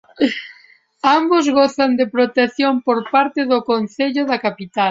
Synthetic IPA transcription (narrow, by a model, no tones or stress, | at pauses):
ambozɣoθand̪epɾot̪eθjompoɾpaɾt̪ɪðokonθeʎʊðakapit̪a